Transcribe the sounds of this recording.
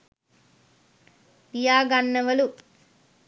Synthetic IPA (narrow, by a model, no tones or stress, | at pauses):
pijaːɡɐnːɐʋɐlu